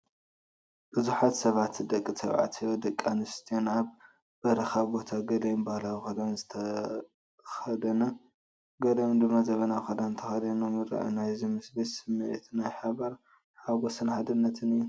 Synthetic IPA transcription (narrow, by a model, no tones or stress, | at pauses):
b̥ɨzuħat̪sɐβat̪ːɨd̪ɐkʼːisʰɐβʕa̰t̪ʰɨjod̪ɐkʼːanɨst̪ʰijonaβ | bɐɾɐxaβbo̞t̪ʰaɡɐlɐjunbahlawixɐd̪anzɨt̪ʰɐ | xɐd̪ɐnɐ | ɡɐlɐjnd̪ɨmːazɐβɐnaxɐd̪anɨnt̪ʰɐxɐd̪ɐnumɨɾɐ̰ʔɐ̰najzimɨsbetsɨmɨʔet̪najħaβaɾ | ħaɡosɨnħad̪ɨnːɐt̪ʰɨnɨjːu